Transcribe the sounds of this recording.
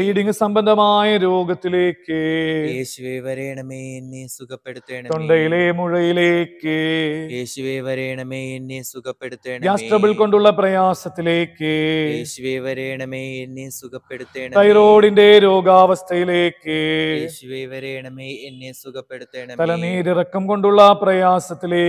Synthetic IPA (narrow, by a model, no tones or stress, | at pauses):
iːɽiŋɡɨsɐmbɐnd̪ʱɐmaːjɐɾo̞ːɡɐt̪ːile̞ːkːɨeɕʋeʋɐɾeːɳɐmenːukɐpːeɽeːɳt̪oɳɖɐjileːmuɻɐjileːkːɨjeːɕʋeʋɐɾeːɳɐmeenːesukɐpːeɽuːeːɳjaːsʈrɐʋiɭko̞ɳɖuɭːɐprɐjaːsɐt̪ːileːkːɨɕʋeːʋɐɾeːɳɐmeenːesukɐpːeɽuːeːt̪ɐjro̞ːɽinde̞ɾo̞ːɡaːʋɐst̪ʰɐjileːkːɨʋeʋɐɾeɳɐenːsukɐeɽueːɳɐt̪ɐlɐniːɾirɐkːɐmko̞ɳɖuɭːɐprɐjaːsɐt̪ːileː